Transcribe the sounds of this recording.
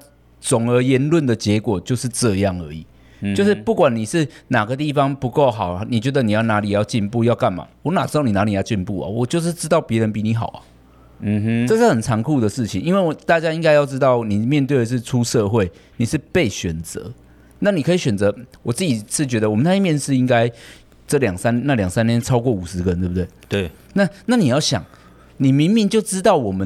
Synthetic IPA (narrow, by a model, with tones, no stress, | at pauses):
t͡sʊ˨˩ŋə˞˧˥jɛ˧˦˥nlwə˥˩nd̪ə˩t͡ɕjɛ˧˥kwɔ˨˩t͡ɕjo˥˧ʊʂɻ̩˥˧ʈ͡ʂɤ˥˧jɑ˥˩ŋə̰˞˧˥ḭ˨˩ | t͡ɕo˥˧ʊʂɻ̩˥˩pu˥˩kwa˨˩nni˨˩ʂɻ̩˥˩na˨˩ɡə˦t̪i˥˩fɑ˧˦ŋpu˧˦ko˥˩ʊxɑ˨˩ʊ˩ni˨˩t͡ɕɥɛ˧˦d̪ə˧ni˨jɑ˥˩na˧˦˥li˨˩jɑ˥˧ʊt͡ɕi˥˧npu˥˧jɑ˥˧ʊka˥˩nma̰˨˩ŋwɔ˧˦na˨˩ʈ͡ʂɻ̩˥t̪ɑ˥˩ʊni˨˩na˧˥ni˨˩jɑ˥˧t͡ɕi˥˧npu˥˩ɐ̰˨˩wɔ˨˩t͡ɕjo˥˧ʊʂ̬ɻ̩˥˧ʈ͡ʂɻ̩˥t̪ɑ˥˩ʊpjɛ˧˥ɻə˧˦npi˨˩ni˧˥xɑ̰˨˩˦ʊɐ̰˨˩˦ | ɤ˥˧ʂɻ̩˥˩hə˨˩nt͡sʰɑ˧˥ŋkʰu˥˨d̪ə˩ʂɻ̩˥˩t͡ɕʰi˨ŋi˥nwe˥˩ɪwt̪a˥˨˩t͡ɕja˥i˥ŋka˥ɪjɑ˥˩ʊʈ͡ʂɻ̩˥t̪ɑ˥˩ʊni˨˩mjnt̪we˥˩ɪə˩ʂ̬ɻ̩˥˩ʈ͡ʂʰu˥ʂɤ˥˧xwe˥˩ɪ | ni˨˩ʂɻ̩˥˧pe˥˩ɪɕɥɛ˨˩nt͡sɤ̰˧˦ | na˥˩˨ni˨˩kʰɤ˧˥i˧˥ɕɥɛ˨˩nt͡sɤ˧˦wɔ˨˩t͡sɹ̩˥˩t͡ɕi˨˩ʂɻ̩˥˩t͡ɕɥɛ˧˥d̪ə˨wɔ˨˩mə˦na˥˩˥mjɛ˥˧nʂɻ̩˥˨i˦˥ŋka˦˥ɪ | ʈ͡ʂɤ˥˩ljɑ˨˩ŋsa˥˦nna˥˩˨ljɑ˨˩ŋsa˥˦nt̪ʰjɛ˥nʈ͡ʂʰɑ˥ʊkwɔ˥˩u˨˩ʂɻ̩˧˦˥ɡə˧t̪we˥˩bt̪we˥˩ɪt̪we˥˩ | na˥˨na˥˩ni˨jɑ˥˩ʊɕjɑ̰˨˩ŋ | ni˨˩mi˧˥ŋmi˥˧ŋt͡ɕjo˥˩ʊʈ͡ʂɻ̩˥t̪ɑ˥˩ʊwɔ˨˩mə˨˦